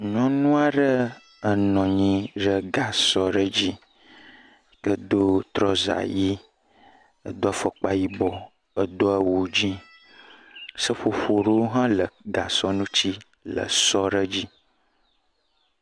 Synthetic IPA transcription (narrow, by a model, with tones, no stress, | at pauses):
ɲɔ̃˦nũ˦a˦ɖə˦ | ə˨nɔ̃˨ɲĩ˦ɖə˦ɡa˨sɔ˦ɖə˦d͡ʑi˦ | kə˦d̪o˦t̪ɾɔ˦za̰˨ji˦ | ə˨d̪o˦a˦fə˨k͡pa˦ji˦bɔ˨ | ə˨d̪o˦ə˦wo˨d͡ʑi˦ | sə˦ɸo˨ɸo˨ɖə˦wo˦ɦã˦lə˨ɡa˨sɔ˦nũ˦t͡ɕi˦ | lə̰˨sɔ˦ɖə˦d͡ʑi˦